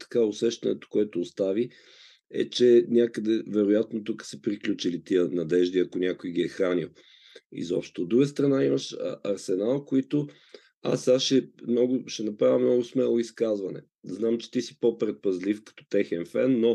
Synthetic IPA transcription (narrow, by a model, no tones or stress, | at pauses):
t̪ɐ̥kaʊsɛʃt̪ɐnɛt̪o̥koɛt̪oːst̪avi | ɛ̰t͡ʃɛnʲakəd̪ɛvɛɾʊjat̪not̪ukə̥səpɾiklʲut͡ʃilit̪iənɐd̪ɛʒd̪iɐkonʲakojiɡiɛxɾanilˠ | ḭzɔ̰pʃt̪ood̪ɾuɡəst̪ɾɐnaiməʃɐɾsɛnalˠkoit̪o | a̰saʃɛmnɔɡʊʃɛnɐpɾavʲɐmnɔɡʊsmɛlˠoiskazvɐnɛ̰ | znamt͡ʃɛ̥t̪isi̥popɾɛt̪̚pɐzlifkɐ̥t̪ɔ̥t̪ɛxɛnfɛnːo